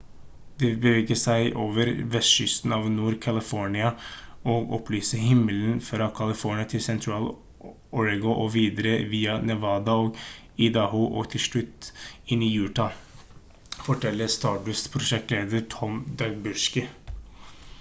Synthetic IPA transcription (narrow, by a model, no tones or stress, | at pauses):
d̪ɛbəʋeːɡəsæɪʔoːʋəɾʋɛst̪ʃʏst̪n̩ɑːʋnuːɾkʰɑlɪfɔɳɪɑɔːɡɔpʰlyːsəɦɪmːələnfɔɾɑkʰɑlɪfɔɳɪɑt̪ʰɪlsɛnt̪ʰɾɑːl | ɔɾɡʊʔɔʋiːd̪əɾəʋiːɑnɛʋɑːd̪ɑoːɡ | ɪd̪ɑhuːʔɔ̰ːt̪ʰɪlʂɭʉt̪ːɪnːɪjʉːʈɑ | fɔʈʰɛlːəɾst̪ɑːd̪ʉspʰɾʊʃɛk̚t̪leːd̪əɾʈʰɔmd̪ɑɡbʉʂkə